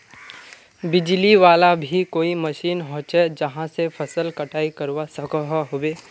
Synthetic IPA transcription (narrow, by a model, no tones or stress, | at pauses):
bɪd͡ʒliʋaːlabʱikoːimɐʃiːnɦõːt͡ʃed͡ʒɐɦãsepʰɐsəlkɐʈʰaːikɐɾwasɐkəɦɦobeː